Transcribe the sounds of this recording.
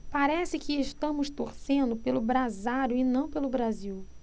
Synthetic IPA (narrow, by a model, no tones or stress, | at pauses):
paɾɛsɪkɪːʃt̪ɐ̃mʊst̪oɾsẽnd̪ʊpelʊbɾazaɾʊɪnɐ̃w̃pelʊbɾaziw